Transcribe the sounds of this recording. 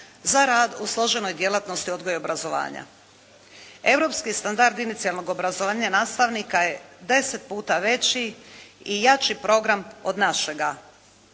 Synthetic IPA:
zaɾaːd̪uslˠo̞ʒe̞no̞jd̪je̞lˠat̪no̞st̪iod̪ɡo̞jeobɾazo̞ʋa̰ːɲa̰ | e̞vɾo̞pskist̪and̪aɾd̪init̪sialˠno̞ɡo̞bɾazoʋaːɲanaːst̪aʋnikaje̞d̪e̞set̪̚puːt̪aʋe̞t͡ɕiijat͡ʃipɾo̞ɡɾamo̞d̪naʃe̞ɡa

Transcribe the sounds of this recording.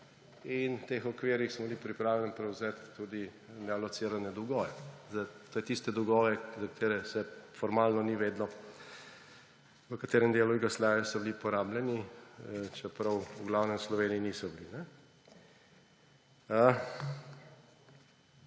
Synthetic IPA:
int̪eːxɔkʋeːɾixsmɔbilipɾipɾaːwlʲɛnpɾɛwzɛt̪ːud̪i | nɛalɔt̪siːɾanɛd̪ɔɡɔːʋɛzat̪oːjɛt̪ist̪ɛd̪ɔɡɔːʋɛzɐkḁt̪eːɾɛsɛfɔɾmaːlnɔniʋeːd̪nɔ | ʋəkat̪eːɾɛmd̪eːluiɡaslɛːjasɔblipɔɾaːblʲɛni | t͡ʃɛpɾɐwuɡlawnɛmslɔʋeːniːnisɔblinɛ | ə

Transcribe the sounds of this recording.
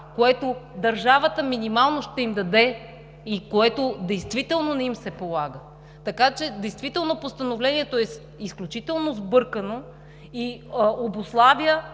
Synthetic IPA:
koɛt̪od̪ɐɾʒavət̪əminimalˠnoʃt̪ɛimd̪ɐd̪ɛ | ikoɛt̪od̪ɛjst̪vit̪ɛlˠnonɛimsɛpolˠaɡə | t̪ɐkat͡ʃɛd̪ɛjst̪vit̪ɛlˠnopost̪ɐnovlɛniɛt̪oɛs | isklʲut͡ʃit̪ɛlˠnozbɤɾkəno | iobʊslˠaviə

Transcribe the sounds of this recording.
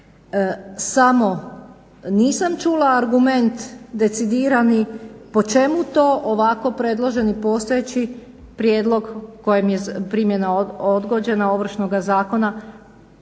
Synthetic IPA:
samo̞ | niːsamt͡ʃulaːɾɡume̞nt̪d̪e̞t̪sid̪iːɾanipo̞t͡ʃe̞mut̪o̞ːʔoʋako̞pɾe̞d̪lˠoʒe̞nipo̞ːst̪ojet͡ɕi | pɾje̞ːd̪lˠo̞ɡkojemjepɾimje̞naod̪ɡo̞d͡ʑe̞nao̞ʋr̩ʃno̞ɡazaːko̞na

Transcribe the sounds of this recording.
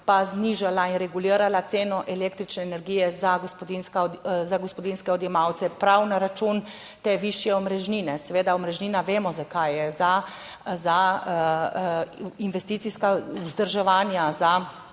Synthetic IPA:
pazniʒalainɾɛɡuliːɾalat̪seːnɔʔɛleːkt̪ɾit͡ʃnɛːnɛɾɡijɛzaɡspɔd̪inskazaɡɔspɔd̪inskɛɔd̪jɛmawt̪sɛpɾawnaɾat͡ʃun | t̪eːʋiʃjɛɔmɾɛʒninɛsɛʋeːd̪aɔmɾɛʒniːnaʋeːmɔzakajɛza | za | inʋɛst̪iːt̪siskauzd̪əɾʒɛʋaːnjaza

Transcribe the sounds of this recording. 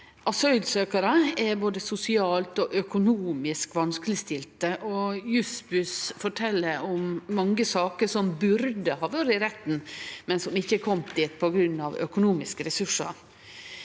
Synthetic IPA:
ʔɑsœʏlsøːkɑɾəɛboːd̪əsʊsɪɑːlt̪ɔʔœkʊnuːmɪskʋɑnskəlɪst̪ɪlt̪əʔɔjʉsbʉsfɔʈʰɛlːəɾɔmːɑŋɡəsɑːkəʂɔmbʉɾd̪əhɑːʋøːɾəɪɾɛt̪n̩mɛnsɔmɪçːəkʰɔmt̪d̪iːt̪̚pʰɔɡɾʉnːɑʋœ̰kʊnuːmɪskəɾɛsʉʂːɑ̰ɾ

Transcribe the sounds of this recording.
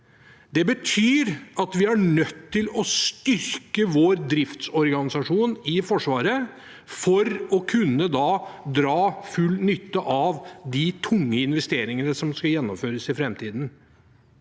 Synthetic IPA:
d̪ɛbət̪ʰyːɾɑt̪ʋɪæɳœt̪ʰːɪlɔst̪ʏɾkəʋoːɾd̪ɾɪft̪sɔɾɡɑnɪsɑʂuːnɪfɔʂʋɑːɾə | fɔɾɔkʰʉnːəd̪ɑd̪ɾɑːfʉlːnʏt̪ːəʔɑʋd̪ɪt̪ʰʊŋːəɪnʋɛst̪eːɾɪŋənəsɔmskɑjɛnːɔmføːɾəsɪfɾɛmt̪ʰiːd̪n̩

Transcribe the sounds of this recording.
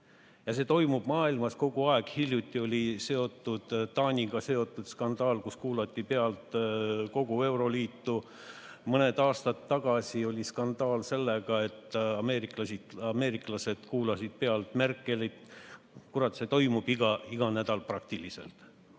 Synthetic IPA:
jɑse̞ːt̪o̞jmub̥mɑːilmɑsko̞ɡ̥uɑeɡ̥hiljut̪ʲːˑio̞lʲise̞o̞t̪ːˑud̪̥d̪ɑːnʲiɡ̥ɑse̞o̞t̪ːˑud̪̥skɑnd̪̥ɑːlkuskuːlɑt̪ʲˑːipe̞ɑlt̪ko̞ɡ̥ue̞wɾo̞liːt̪ːu | mɤne̞d̪̥ɑːst̪ɑt̪ːɑɡ̥ɑsʲio̞lʲiskɑnd̪ɑːlse̞lːeɡ̥ɑe̞t̪ːˑɑme̞ːɾiklɑsid̪ɑme̞ːɾiklɑse̞d̪̥kuːlɑsid̪̥̚pe̞ɑlt̪merkˑːe̞lit̪ | kuɾɑt̪se̞t̪o̞jmub̥iɡɑiɡ̥ɑnæd̪̥ɑlprɑk̚t̪ilise̞̰lt̪

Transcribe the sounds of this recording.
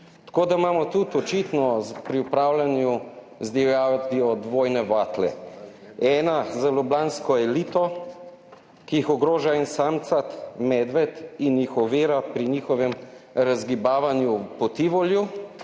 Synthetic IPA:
t̪ḁkoːd̪aimaːmɔt̪ut̪ɔt͡ʃit̪nɔzpɾiupɾaːwlanju | zd̪ɛwjat̪iɔd̪ʋoːjnɛʋat̪lɛ̰ | ɛːnazalublanskɔɛliːt̪ɔ | kijixɔɡɾoːʒainsamt̪sat̪mɛd̪ʋɛt̪injixɔʋeːɾapɾinixɔʋɛmɾazɡibaːʋanjupɔt̪iʋɔlju

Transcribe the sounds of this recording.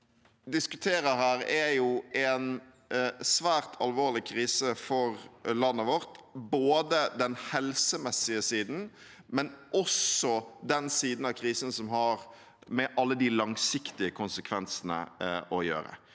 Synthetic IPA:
d̪ɪskʉt̪ʰeːɾəhæːɾɛjuɛn | sʋæːɾt̪ʰɑlʋoːɾlɪkʰɾiːsəfɔɾlɑnːəʋɔɾt̪boːd̪əd̪ɛnhɛlsəmɛsːɪəsiːd̪n̩ | mɛnʔɔsɔd̪ɛnsiːd̪n̩ɑkʰɾiːsənsɔmɦɑɾ | mɛʔɑlːəd̪ɪlɑŋsɪkt̪ɪəkʰʊnsəkʰʋɛnsənə̰ʔɔjø̰ːɾə̰

